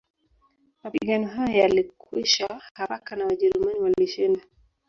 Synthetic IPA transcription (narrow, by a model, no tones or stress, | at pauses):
mapiɡanɔɦajɔjalikwiʃahaɾakanawaʄɛɾumaniwaliʃinda